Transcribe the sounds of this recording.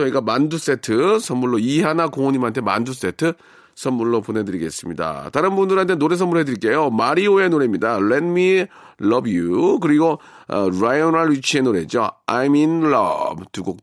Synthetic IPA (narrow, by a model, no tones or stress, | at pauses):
t͡ɕʌiɡamandus͈e̞tʰɯsʰʌmːuɭːoiɦanakoŋoɲimɦantʰe̞ma̰ndus͈e̞tʰɯ | sʰʌmːuɭːopone̞dɯɾiɡe̞s͈ɯmɲida̰taɾɯnbundɯɾɦantʰenoɾe̞sʰʌmːuɭɦe̞dɯɾik͈e̞jomaɾioe̞noɾemɲidalet̚mi | lʌbjuk̬ɯɾiɡo̰ | ɾajonaɭut͡ɕʰie̞noɾe̞d͡ʑo̰a̰jminɭʌ̰btuɡok